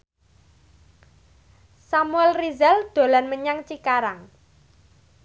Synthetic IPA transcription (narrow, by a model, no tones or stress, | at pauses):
samuɛlrizɛld̪̥o̤lanməɲaŋt͡ʃikaɾaŋ